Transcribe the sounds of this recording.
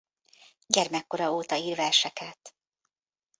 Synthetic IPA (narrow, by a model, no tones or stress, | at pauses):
ɟɛrmɛkːo̞ɾɒoːt̪ɒiːrvɛrʃɛkɛt̪